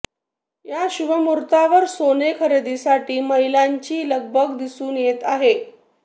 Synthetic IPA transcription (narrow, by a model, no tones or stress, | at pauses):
jaɕuʋəmuɾt̪aʋəɾsonekʰəɾed̪isaʈiːməɦilaɲt͡ɕiːləɡ̚bʱəɡd̪isuːnjet̪aɦe